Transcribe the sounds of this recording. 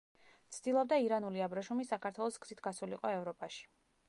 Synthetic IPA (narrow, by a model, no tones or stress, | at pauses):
t̪sʰd̪̥ilˠɔb̚d̪aiɾanuliabɾɔʃumisakaɾt̪ʰwɛlˠɔsɡz̥it̪ʰɡasuliqʼɔɛvɾɔpʼaʃi̥